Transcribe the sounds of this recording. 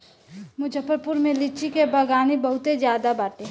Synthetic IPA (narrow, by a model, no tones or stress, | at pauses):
mʊd͡ʒʱəpəɾpʊɾmẽlit͡ʃikebɐɡaːnibɐɦʊt̪ezjaːd̪abaːʈe